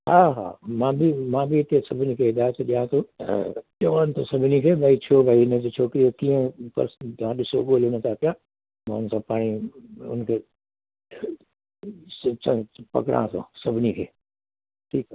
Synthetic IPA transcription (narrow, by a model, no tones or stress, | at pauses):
ɦaːɦa̰ːmãbimãːbʱiɪt̪esɐbʱɪnikʰeːɪd̪aːjt̪ʰɗijãt̪ʰõ | ɗoant̪ʰosɐbʱnikʰeːbʱaːit͡ɕʰoːbʱaːiɪnəd͡ʑot͡ɕʰoːkɾijokĩːə̃pɐ̰ɾst̪ʋãɗɪso̰ɠoːlonət̪ʰaːp̪ijãː | mã̰ːʊnsãpaːɽ̃iʊ̰nkʰeː | pɐ̰kɽã̰ːsõ̰sɐbʱɪnikʰḛː | ʈʰiːk